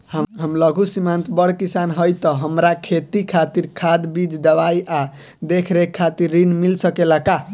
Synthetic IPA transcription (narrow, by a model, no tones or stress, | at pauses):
ɦəmləɡʱusimant̪bəɽkisanɦəjt̪əɦəmɾakʰet̪ikʰat̪iɾkʰad̪bid͡ʒd̪əbajʔa | d̪ekʰɾekʰːat̪iɾːinmilsəkelaka